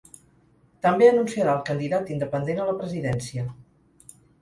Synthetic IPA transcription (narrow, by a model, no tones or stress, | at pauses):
t̪əmbeənunsiəɾaəlˠkənd̪iðat̪ind̪əpənd̪enələpɾəziðɛnsiə